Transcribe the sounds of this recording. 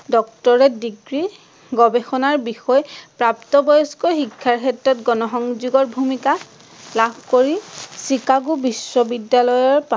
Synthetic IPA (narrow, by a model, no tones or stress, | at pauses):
dɔk̚tɔɹɛdiɡɹi | ɡɔbexɔnaɹbixɔjpɹaptɔbɔjɔskɔxikʰːaɹxɛtɹɔtɡɔnɔxɔŋzuɡɔɹbʱumika | labʱkoɹisikaɡubisːɔbidjalɔjɔɹpa